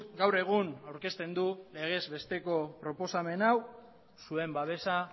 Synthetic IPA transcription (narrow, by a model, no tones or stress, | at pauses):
ɡawre̞ɣ̞unawɾke̞st̪e̞nd̪ule̞ɣ̞e̞zβe̞st̪e̞ko̞pɾo̞po̞same̞naw | sue̞mbaβe̞sa